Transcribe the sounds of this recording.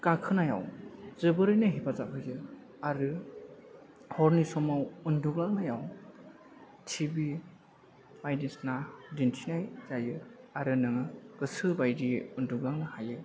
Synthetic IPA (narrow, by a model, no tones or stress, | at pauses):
kakʰɯnaja̰wzɯbɯɾɯjnaɦipʰazapʰɯzɯ | aɾɯ | hɔɾnisɔmawunduklaŋnajaw | tʰibi | bajdisnadintʰinajzajɯaɾɯnɯŋɯɡ̥ɯsɯbajdiunduklaŋnahajɯ